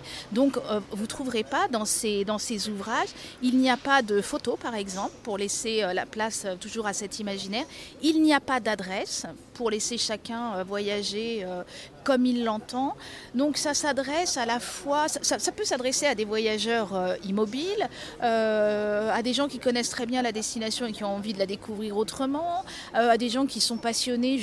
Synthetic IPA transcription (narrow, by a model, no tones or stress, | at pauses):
d̪ɔ̃køvut̪χuvʁepad̪ɑ̃sed̪ɑ̃sezuvʁaʒilniapad̪əfot̪opaʁɛɡzɑ̃plpuʁleseøla̰plasøt̪uʒuʁasɛt̪ʰimaʒinɛʁilniapad̪ad̪ʁɛs | puʁleseʃakʲɛ̃øvwajaʒeø | kɔmilːɑ̃t̪ɑ̃d̪ɔ̃ksasad̪ʁɛsalafwasasasapøsad̪ʁesead̪evwajaʒœʁøimɔbilø | ad̪eʒɑ̃kʲikɔnɛst̪χɛbjɛ̃lad̪ɛst̪inasjɔ̃ekʲiɔ̃ɑ̃vid̪əlad̪ekʰuvʁiʁot̪χəmɑ̃ | øad̪eʒɑ̃kʲisɔ̃pasjɔne